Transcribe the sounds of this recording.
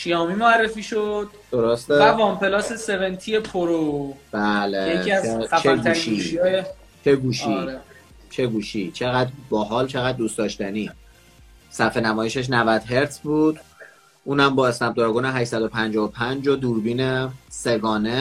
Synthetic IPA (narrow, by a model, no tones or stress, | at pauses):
ʃijɒːmimoærːefiːʃod̪̥̚d̪̥oɾost̪eævɒmpʰe̞lɒːse̞sevent̪ʰie̞pʰoɾob̥æːlejecʰiæzt͡ʃæft͡ʃʰɡ̪ʰuæɾːiʃiʃijɒːje | t͡ʃʰeɡuːʃiɾe | t͡ʃʰe̞ɡuːʃit͡ʃʰe̞ɣæd̪bɒːɦɒːlt͡ʃʰe̞ɣæd̪̚ːuːst̪ɒːʃt̪æniː | sæfenæmɒːjeʃeʃ̬nævæd̪̥ɦe̞ɾt̪sbuːd̪̥ | ʔuːnæmbɒːesnæb̚d̪ɔɾɡuːneɦæʃsæd̪o̞pʰænd͡ʒɒːopʰænd͡ʒod̪uːɾbiːnese̞ɡɒːne̞